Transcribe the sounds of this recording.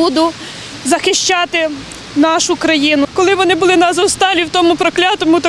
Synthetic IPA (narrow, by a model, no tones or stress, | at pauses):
ud̪ʊ | zɐxɪʃʲt͡ʃɑt̪ɪ | nɑʃʊkɾɐjinʊkɔlˠɪʋɔnɪbʊlˠɪnɐzɐwst̪ɑlʲiwt̪ɔmʊpɾɔklʲat̪ɔmʊt̪ɔ